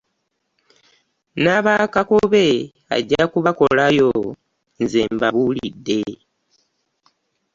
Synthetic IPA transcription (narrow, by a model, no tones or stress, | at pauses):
naβakakuβe̞ | a̰ɟːakuβako̞lajo̞ | nze̞mbaβuːlidːe̞